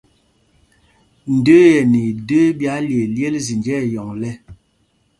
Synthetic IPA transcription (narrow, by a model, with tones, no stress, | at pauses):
n̩˨də˦jɛ˨ni˨də˦bja˨˦lje˨lje˦lzi˨nd͡ʒɛ˦˨jɔ˨ŋlɛ˦